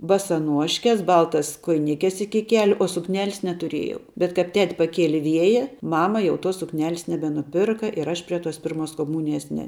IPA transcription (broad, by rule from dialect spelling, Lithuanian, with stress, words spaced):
bɐsɐˈnuɔʃʲkʲɛs ˈbɐlˠtɐs koːjɪˈnʲɪkʲɛs ˈɪkʲɪ ˈkʲæːlʲʊ oː sʊkˈnʲæːlʲɪs nʲɛtʊˈrʲeːjɛʊ bʲɛt kɐp ˈtʲɛtʲ pɐˈkʲiɛlʲɪ ˈʋʲiɛjɛ ˈmɑːmɐ ˈjɛʊ toːs sʊkˈnʲæːlʲɪs nʲɛbʲɛnʊˈpʲɪrkɐ ɪr ˈɐʃ pʲrʲiɛ toːs ˈpʲɪrmoːs koːˈmuːnʲɪjɛs nʲɛ